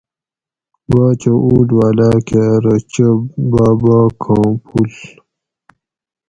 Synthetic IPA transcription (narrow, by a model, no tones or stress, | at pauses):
baːt͡ɕouːɖwaːlaːkeɾɐt͡ɕɐbaːbaːkʰãːpʰul